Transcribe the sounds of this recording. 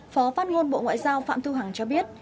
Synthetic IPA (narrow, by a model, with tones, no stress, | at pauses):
fɔ˨˦faː˦˥t̚ŋo˧nɓo̰˧˨ŋwa̰ː˧˨jzaː˧wfa̰ː˧˨mt̪ʰu˧ɦa˨˩ŋt͡ɕɔ˧ɓi˦˥ət̚